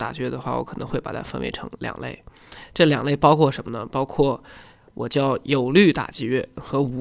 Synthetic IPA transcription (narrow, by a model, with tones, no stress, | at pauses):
t̪a˨˩t͡ɕi˥ɥɛ˥˩d̪ə˩xwa̰˥˩wɔ̰˧˥kʰɤ˨˩nɤ˧˥ŋxwe˥˩pa˨˩t̪ʰa̰˥fə˥˧nʔḛ˧˥ɪʈ͡ʂʰɤ˧˥ŋljɑ̰˨˩ŋlḛ˥˩ɪ | ʈ͡ʂɤ˥˩ljɑ̰˨˩ŋle˥˩ɪpɑ˥ʊkʰwɔ˥˩ʂə˧˥nmə˧nə̰˨pɑ˥ʊkʰwɔ˥˩ | wʔɔ˨˩t͡ɕjɑ˥˩ʊjo˨˩ʊly˥˩t̪a̰˨˩t͡ɕi˥˧ɥɛ˥˩xɤ˧˥u˧˥